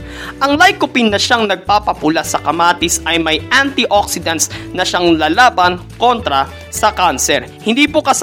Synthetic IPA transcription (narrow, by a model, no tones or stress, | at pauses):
ʔɐŋlajkʊpɪnːɐʃaŋnɐɡ̚papɐpʊlasɐkɐmaːt̪ɪsʔɐjmɐjʔant̪iʔoksɪd̪ɐnt̪̚snɐʃaŋlalaːbɐnko̞nt̪ɾɐ | sɐkansɛɾhɪnd̪iːpokɐs